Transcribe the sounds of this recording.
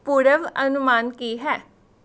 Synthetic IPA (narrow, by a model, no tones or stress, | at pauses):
puːɾəʋənʊmaːnkiːɦɛː